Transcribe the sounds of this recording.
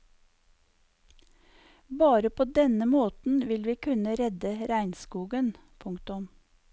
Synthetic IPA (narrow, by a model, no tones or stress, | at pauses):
bɑːɾəpʰoːd̪ɛnəmoːt̪n̩ʋɪlʋiːkʰʉnəɾɛd̪əɾæɪnskuːɡən | pʰʊŋkt̪ʊm